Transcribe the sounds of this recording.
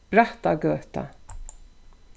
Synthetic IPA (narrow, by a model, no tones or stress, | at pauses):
ɾaht̪aɡøːt̪a̰